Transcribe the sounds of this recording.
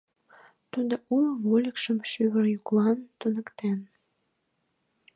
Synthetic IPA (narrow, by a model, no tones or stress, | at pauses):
t̪ud̪oʔuləβolʲəkʃəmʃyβərjuklɑnt̪unə̆kt̪en